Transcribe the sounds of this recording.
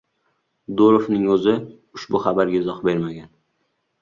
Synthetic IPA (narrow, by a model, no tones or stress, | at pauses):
d̪oɾofnɪŋɵzɪ | ʊʃbʊχabaɾɡʲaɪzɒχbe̞ɾmaɡʲan